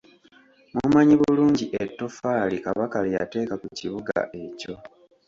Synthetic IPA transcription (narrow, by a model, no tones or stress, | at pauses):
mumaɲiβuuluːɲɟiʔetːo̞faːlikaβakaleja̰te̞ːkakuciβuɡa̰ʔe̞co̞